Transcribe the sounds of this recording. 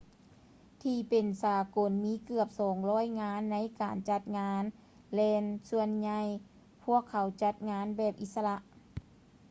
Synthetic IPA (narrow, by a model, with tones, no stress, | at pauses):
t̪ʰiː˧pe˨˩nsaː˨˦ko˨˩nmiː˧˥kɯ˧˩əp̚sɔː˨˩˦ŋlɔː˧˥˨jŋaː˧˥nːa˧˥jkaː˨˩nt͡ɕa˧t̪̚ŋaː˧˥n | lɛː˧nsu˧ənɲa˧j | pʰu˧˥˩əkʰːa˨˩˦wt͡ɕa˧˥t̪̚ŋaː˧˥˨nbɛː˧˩p̚ʔi˧˩t̪̚sa˧la˧ʔ